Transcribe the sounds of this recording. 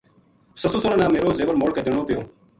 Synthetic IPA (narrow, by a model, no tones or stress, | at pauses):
səsõːsoːɾãːnãːmeːɾoːzeːʋəɾmoːɽkəd̪eːɳ̃oːpɪjoː